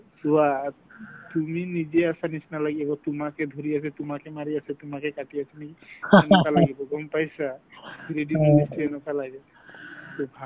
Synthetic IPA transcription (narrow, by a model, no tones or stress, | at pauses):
sua | t̪uminid͡ʒɛasanisnalaɡɛbɔt̪umakʰɛd̪ʱoɾiasɛt̪ʊmakʰɛmaɹiasɛt̪ʊmakʰɛkaʈiasanɛkiɛnɔkalaɡibɔɡɔmpajsabiɾediministiɛnɔkalaɡɛ | t̪obʱa